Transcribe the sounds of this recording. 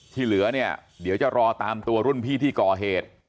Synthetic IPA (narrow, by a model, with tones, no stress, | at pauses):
t͡ɕʰiː˥˩lɯ˩˦ɐni˥˩ɐdi˨˩˦wt͡ɕa˨˩ɾɔː˧t̪aː˧mt̪u˧ɐɾu˥˩ənpʰiː˥˩t̪ʰiː˥˩kɔː˨˩ɦeː˨˩t̪̚